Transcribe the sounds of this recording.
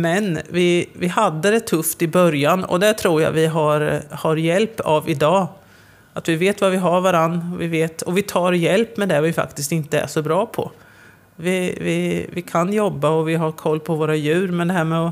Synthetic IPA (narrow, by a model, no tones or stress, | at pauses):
mɛnvɪvɪɦad̪ːəd̪ɛt̪ʰːɵft̪ɪbœɾjanɔ̰d̪ɛʈ̪ʰɾuːja̰vɪɦaɾhaɾjɛlpːavɪd̪ɑː | at̪vɪveːt̪vavɪɦaɾvaɾanːɔvɪveːt̪ɔvɪt̪ʰɑːɾjɛlpːmɛd̪ɛvɪfa̰kt̪ɪst̪ɪnt̪əæ̰ʂɔbɾɑːpʰɔ̰ | vɪvɪvɪkʰanjɔbːaɔvɪɦakʰɔlːpʰɔvoːɾajʉ̟ːɾmɛd̪ɛhæːɾmɛɔ